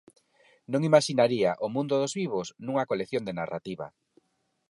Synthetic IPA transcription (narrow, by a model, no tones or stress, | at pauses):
nõŋimaʃinaɾiaʔomũnd̪ʊðʊzβiβosnũŋɐkoleθjond̪enara̰t̪iβɐ̰